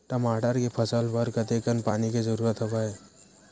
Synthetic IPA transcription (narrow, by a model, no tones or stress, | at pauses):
ʈ̪əmaɖəɾkepʰəsəlbəɾkət̪ekənpaniked͡ʒəɾuɾət̪ɦəbəe